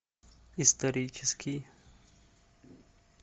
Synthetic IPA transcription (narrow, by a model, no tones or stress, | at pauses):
ist̪ɐɾit͡ʃɪskʰi